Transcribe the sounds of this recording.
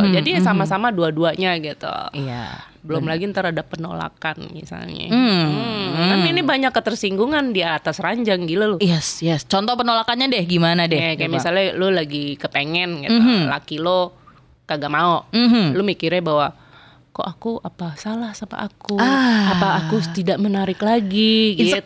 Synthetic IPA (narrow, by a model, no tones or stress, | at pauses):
d͡ʒadisamasamaduaduaɲaɡit̪ṵia̰ | bəlʊmlaɡint̪əɾhadapːəno̰la̰kanmḭsa̰lɲa̰ | naminibaɲakːət̪ərsiŋɡuŋandiat̪asraɲd͡ʒaŋɡitlulʊjɛsjɛst͡ʃɔnt̪ɔpənolakanɲadɛhɡimanadɛɛkajamisalɲalulaɡikəpeŋɛnka̰t̪la̰kilo | kaɡaʔmaomɦ̩lumikirɲabawa | ko̰ʔakuʔapasalahsama̰ʔakuaapaːkut̪idaʔmənaɾɪklaɡiɡi